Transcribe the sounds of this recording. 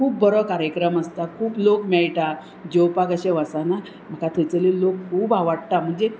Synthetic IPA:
kʰuːp̚ːəɾɔkaɾjəkɾəməst̪akʰuːplokmɛɭʈ̪a | d͡ʑewpakəɕeʋasana | m̤əkat̪ʰet͡selelokkʰuːbaʋaɽ̚t̪am̤əɳd͡ze

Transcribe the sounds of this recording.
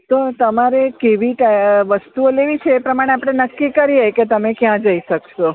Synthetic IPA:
t̪ot̪əmaɾekeʋiʈaʋəst̪uoleʋit͡ʃʰeːpɾəmaɽ̃eapɽ̃enəkːikəɾieket̪əmekjãd͡ʒəiʃəkʃo

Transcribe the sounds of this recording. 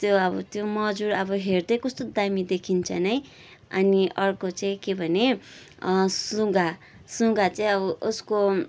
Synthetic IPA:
t̪joʌbʌt̪jomʌd͡zuɾʌbʌɦerd̪ʌjkʌst̪od̪amid̪ekʰint͡sʰʌnʌj | ʌ̰niʔʌrkot͡saĩkebʱʌne | sũɡa | sũɡat͡saĩʌbʌʔosko

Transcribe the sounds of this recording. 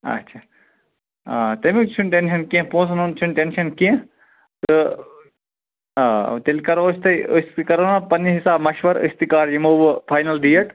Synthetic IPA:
ɐ̰tːʃʰaː | t̪emit͡ʃʰunʈenʃɐnkiẽpõːsnont͡ʃʰunʈenʃɐnkiẽ | t̪ɨ | t̪elkɐɾost̪ɐəst̪ikɐɾoːnapɐnɦisaːbmɐʃʋɐɾɨ̰st̪ikaːɾimoːʋpʰaːjnɐlɖijɐʈ

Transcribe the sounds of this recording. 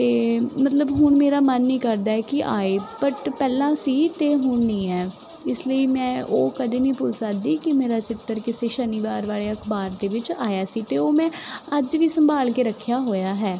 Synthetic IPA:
t̪eːmət̪ləbɦʊɳmeːɾaːmənːĩːkəɾd̪aːɛːkɪʔa̰ːeːpəʈpɛːlãːsiːt̪eːɦʊɳnĩːɛː | ɪsləiːmɛ̃ːʔoːkəd̪eːnĩːpʊt͡ʃsaːd̪iːkɪmeːɾaːt͡ʃɪt̪ːəɾkɪseːʃəniːʋaːɾʋaːleːəkʰbaːɾd̪eːʋɪt͡ʃaːjaːsiːt̪eːoːmɛ̃ːəd͡ʒʋiːsəmbʱaːlkeːɾəkʰːjaːɦoːjaːɦɛː

